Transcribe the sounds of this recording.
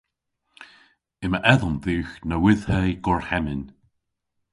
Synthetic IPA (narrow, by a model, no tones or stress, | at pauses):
ɪməʔɛðənðʉːxnəwɪðhɛjɡɔɹhɛmɪn